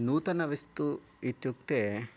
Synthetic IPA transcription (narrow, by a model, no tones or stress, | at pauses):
nuːt̪ɐnɐʋist̪u | it̪juk̚t̪eː